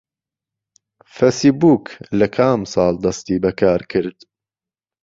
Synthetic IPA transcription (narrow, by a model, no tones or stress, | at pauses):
fesibuːklɐkʰaːmsɑːld̪ɐst̪iːbɐkʰaːɾkʰɨɾd̪̥